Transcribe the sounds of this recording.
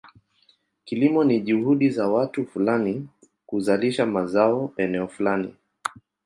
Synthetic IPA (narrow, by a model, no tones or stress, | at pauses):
kilimɔniʄuhuɗizawatufulani | kuzaliʃamazaɔɛnɛɔfulanḭ